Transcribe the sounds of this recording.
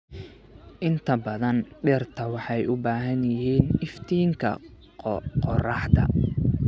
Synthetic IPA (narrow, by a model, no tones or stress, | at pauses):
ʔɪnt̪ʰɐbɐðɐnɖɛrt̪ʰɐwɑħɑjʊbaːɦɐnjɪɦiːnɪft̪ʰiːŋkʰɐ̰ | qɔrɑħt̪ɐ̰